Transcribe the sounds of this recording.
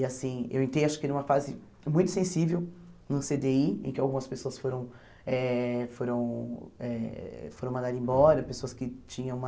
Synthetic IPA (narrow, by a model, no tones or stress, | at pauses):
asĩḛwẽnt̪ɾejaʃʊ̥kɪɛnũmɐfazɪ | mũj̃t̪ʊ̥sẽsivewnɐ̃sed̪eiḛ̃kɪawɡũmɐspesoɐsfoɾɐ̃w̃ | ɛfoɾɐ̃w̃ɛ̰foɾɐ̃w̃mɐ̃nd̪ad̪ẽbɔɾɐpesoɐskɪt͡ʃĩɲɐ̃wũmɐ